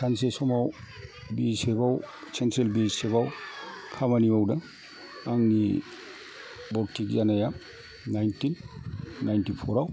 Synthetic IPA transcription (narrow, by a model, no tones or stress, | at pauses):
kʰansesɔmaw | bisebawsentɾelbiseβawkʰamanibawda | aŋni | bɔɾtʰːik̚zanaja | najntinː | ajntipʰɔɾaw